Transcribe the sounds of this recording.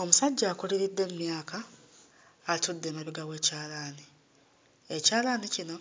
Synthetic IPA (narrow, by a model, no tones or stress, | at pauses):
o̞musaɟːaːkuliɾid̪ːe̞mmjaːkaː | tudːe̞maβiɡawe̞ːcaːlaːni | ecaːlanicino̞